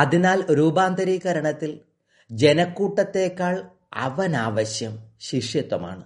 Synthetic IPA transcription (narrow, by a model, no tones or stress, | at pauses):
ɐðinaːlɾuːbaːnd̪ɐɾiːɣɐɾɐɳɐt̪ːil | d͡ʑe̞nɐkːuːʈːɐt̪ːe̞ːkːaːɭ | ɐ̰ʋɐnaːʋɐɕjɐmɕiʂjɐt̪ːwɐma̰ːɳɨ